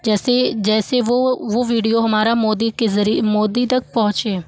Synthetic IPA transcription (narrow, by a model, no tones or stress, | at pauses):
d͡ʒɛːsed͡ʒɛːseʋoʋoːʋiːɖijoɦɐmaːɾamoːd̪iezəɾimoːd̪it̪ɐk̚pɔ̃ɦʊ̃t͡ʃeː